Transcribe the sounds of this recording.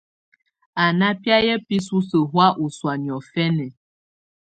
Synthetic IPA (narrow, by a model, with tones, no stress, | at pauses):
a˨na˦pja˦jɛ˦pi˦su˦sə˨ɦwa˦ʔu˨swa˨njɔ˨fɛ˦nɛ˨